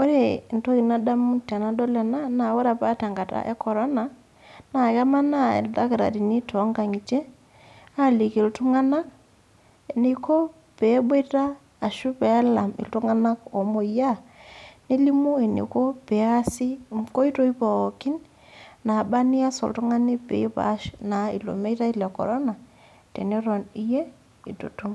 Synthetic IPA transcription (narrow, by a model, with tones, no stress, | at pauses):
o˦ɾe˨nto˦ki˨na˦da˦mu˦ta˨na˦dɔ˦lɛ˨na˦na˨wo˦ɾa˨pa˦ta˨ŋɡa˨ta̰˦ʔe˦kʰɔ˨ɾɔ˦na˨ | na˨ka˦ma˦na˦˨ḛ˨lda˦kɾa̰˨di˨ni˦tʰɔ˨˦ŋɡa˨ŋi˨t͡ʃe˦ | a˦˨li˨ki˨ltu˦ŋa˦na˦k | e˨ni˨ko˦ | pe˨˦be˦taː˦˨ | ʃu˦pɛ˨a˦la˨mḭ˨ltu˦ŋa˦na˦ko˨mo˨ja˦ne˦li˦mu˦e˨nḭ˨ko˦pɛ˨˦a˦si˦ko˦i˦to˦i˦pa˨ki˦n | na˨ba˦ni˦a˦sɔ̰˨ltu˦ŋa˦ni˦pḛ˨˦i˦pa̰˨˦ʃna˨ḭ˨lo̰˨me˦ta˦i˦lɛ˨kɔ̰˨ɾɔ˦na˨ | tḛ˨ni˦ɾɔ˨ni˦je˦ | i˨to̰˨tu˦ŋ